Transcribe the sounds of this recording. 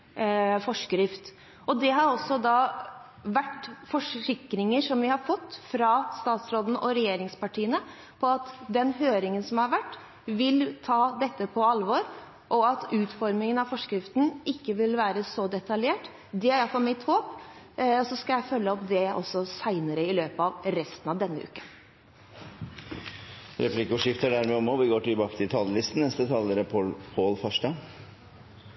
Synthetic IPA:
fɔʂkɾɪft̪ | ʔɔd̪ɛɦɑɾɔsːɔd̪ɑː | ʋæʈːfɔʂɪkɾɪŋəʂɔmʋɪhɑɾfɔt̪ːfɾɑst̪ɑːt̪sɾoːd̪n̩ʔɔɾɛjeːɾɪŋspɑʈʰiːənə | pʰɔɑt̪d̪ɛnɦøːɾɪŋənsɔmhɑɾʋæʈː | ʋɪlt̪ʰɑːd̪ɛt̪ːəpʰɔɑlːʋɔɾ | ʔɔɑt̪ʉːt̪fɔɾmɪŋənɑʋfɔʂkɾɪft̪n̩ʔɪkːəʋɪlʋæːɾəsɔd̪ɛt̪ɑljeːʈ | d̪ɛæɾjæɪfɔmɪt̪hoːp | ɔsɔskɑljæɪfœlːəɔpd̪ɛɔ̰sːɔsæɪnəɾəɪløːpɑʋɾɛst̪n̩ɑʋd̪ɛnːəʉ̰ːkən | ɾɛplɪkuʂɪft̪əɖæɾmɛɔmɔʋɪɡoːʈɪlbɑːkət̪ʰɪlt̪ʰɑlːəlɪst̪n̩nɛst̪ət̪ʰɑlːəɾəpʰopʰoːlfɔʂʈɑ

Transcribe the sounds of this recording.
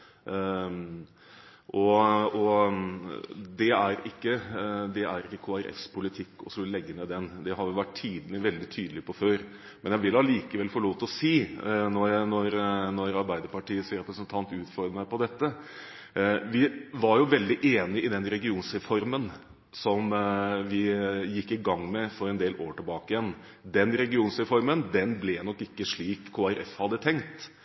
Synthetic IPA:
ʔɔɔ | d̪ɛæɾɪkːəd̪ɛʔæɾɪkːəkʰoːæɾʔɛ̰spʰʊlɪt̪ʰɪkːɔ̰slɛɡːənɛd̪ɛnd̪ɛɦɑʋɪʊʋæʈtʰiːd̪ənəʋɛld̪ɪt̪ʰyːd̪əlɪpʰɔføːɾ | mɛnjæɪʋɪlɑliːkəʋɛlfɔɭoːt̪ːɔsiːnɔnɔɾnɔɾɑɾbæɪd̪əɾpɑʈiːəsɾɛpɾəsənt̪ʰɑnt̪ʉːt̪fɔɾməmæɪpɔd̪ɛt̪ːə | ʋɪʋɑɾjʊʋɛld̪ɪʔeːnɪɪd̪ɛnɾɛɡɪuːnsɾɛfɔɾmən | sɔmʋɪjɪkːɪɡɑŋːmɛfɔɾɛnd̪eːlʔoːʈɪlbɑːkəjɛn | d̪ɛnɾɛɡɪuːnsɾɛfɔɾmənd̪ɛnblɛnɔkːɪkːəʂɭiːkʰːoːæɾɛfhɑd̪ːət̪ʰɛŋkt̪

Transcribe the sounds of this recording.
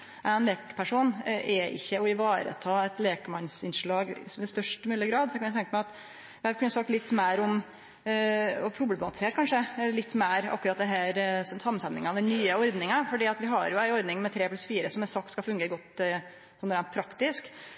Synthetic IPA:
ʔæɪnleːkpʰæʂuːnʔɛʔɪ̰çːəɔɪʋɑːɾə̰t̪ʰɑːɛt̪leːkəmɑnsɪnʂɭɑːɡsʋɪst̪œʂʈmʉːləɡɾɑːd̪sɔkɑnæt̪ʰɛŋkəmæɪɑt̪ | ʋækʉnəsɑk̪̚ːlɪt̪ːmæːɾɔm | ɔpʰɾʊblɛbɑt̪ɪseːʈ̚kʰɑnʂəlɪt̪ːmæːɾɑ̰kːʉɾɑt̪̚d̪ɛɦæːɾssɑmənsɛt̪nɪ̰ŋɑʋd̪ɛnːyːəɔɾd̪nɪŋɑfɔɖiːɑt̪ʋɪɦɑ̰ɾjʊæɪɔɾd̪nɪŋmɛt̪ʰɾeːplʉsfiːɾəsɔmɛsɑk̚t̪skɑlfʉŋɡəɡɔt̪ | sɔnɾæɪnt̪̚pʰɾɑkt̪ɪsk

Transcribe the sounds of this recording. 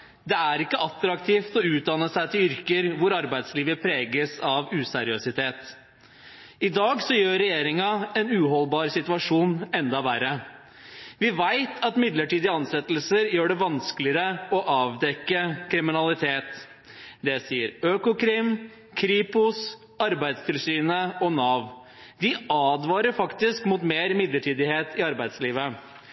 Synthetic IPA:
d̪ɛæɾɪkːəɑt̪ːɾɑkt̪ʰiːft̪ɔʉːt̪̚d̪ɑnəsæɪt̪ʰɪlʏɾkəɾʋʊɾɑɾbæɪd̪sliːʋəpʰɾeːɡəsɑʋʉːsæɾɪøsɪt̪ʰeːt̪ | ɪd̪ɑːɡsɔjøːɾɛjeːɾɪŋɑɛnʉːɦɔlbɑːɾsɪt̪ʉɑʂuːnɛnd̪ɑʋæɾə | ʋɪʋæɪt̪ʰɑt̪mɪd̪ləʈiːd̪ɪɑnsɛt̪ːlsəɾjøːɖɛʋɑnsklɪəɾəɔʔɑːʋd̪ɛkːəkʰɾɪmɪnɑlɪt̪ʰeːt̪ | d̪ɛsiːəɾøːkʊkʰɾɪm | kʰɾiːpʊs | ɑɾbæɪd̪st̪ʰɪlsyːnəɔnɑːʋ | d̪ɪɑːd̪ʋɑːɾəɾfɑkt̪ɪskmʊt̪meːɾmɪd̪ləʈʰiːd̪ɪheːt̪ɪɑɾbæɪd̪sliːʋə

